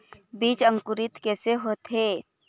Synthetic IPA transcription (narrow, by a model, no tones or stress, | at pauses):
biːt͡ʃə̃ŋkʊɾɪt̪kɛːseɦoːt̪ɦeː